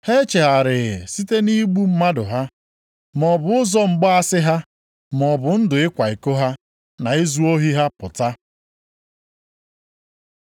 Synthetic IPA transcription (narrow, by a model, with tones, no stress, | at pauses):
he˦t͡ʃe˨ɦa˨ɾɪ˨ɣɪ˨si˦te˦ni˦ɡ͡bu˦m̩˦ma˦dʊ˨ɦa˦ | mɔ˨bʊ˨ʊ˦zɔ˦ŋ͡m̩˨ɡ͡bɔ˦a˦sɪ˦ɦa˦ | m˨ɔ˨bʊ˨n̩˦dʊ˨ɪ˦kʷa˨i˨ko˦ɦa˦ | na˨i˦zu˦o˦ɦi˦ɦa˦pʊ˨ta˦